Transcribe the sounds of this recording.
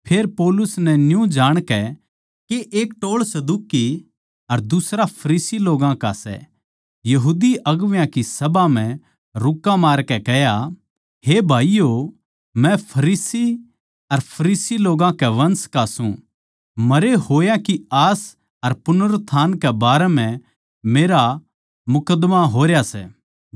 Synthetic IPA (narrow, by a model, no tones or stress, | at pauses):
pʰeːɾpɔːlʊsnɛnjũd͡ʒaːɽ̃kɛ | keʔeːk̚ʈoːɭsɐd̪uːki | ɐɾd̪ʊsɾapʰɐɾiːsiloːɡãkasɛ̰ | jɐɦuːd̪iʔɐɡʋjãkisɐbam̤ɛ̃ | ɾʊkːamaːɾkɛkɛɦja | hebʱaːijo | mɛ̃pʰɐɾiːsi | ɐɾpʰɐɾiːsiloːɡãkɛʋɐnskasũ | mɐɾeɦoːjãkiaːs | ɐɾpʊnəɾt̪ʰaːnkɛbaːɾɛmɛ̃ | meːɾa | mʊkəd̪maɦoːɾjasɛ̰